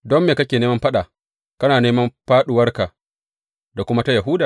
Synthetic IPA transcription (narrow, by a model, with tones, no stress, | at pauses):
dɔ˦mːeː˨kɐ˦kʲeː˨neː˦mɐ˦mɸɐ˦ɗaː˨ | kɐ˦naː˨neː˦mɐ˦mɸaː˦ɗʊ˨wɐ˦rka˨ | da˨kʷʊ˦ma˦ta˦ja˨ɦu˦daː˨